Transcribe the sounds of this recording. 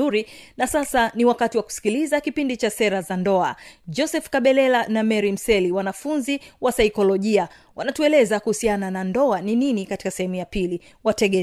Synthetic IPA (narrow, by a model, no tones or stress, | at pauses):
uɾinasasaniwakatiwaku̥si̥kilizakipindit͡ʃasɛɾazandɔad͡ʒɔsɛfkaɓɛlɛlanamɛɾim̩sɛliwanafunziwasaikɔlɔʄia | wʔanatuɛlɛzakuhusiananandɔanininikati̥kasɛhɛmujapili | watɛɠɛ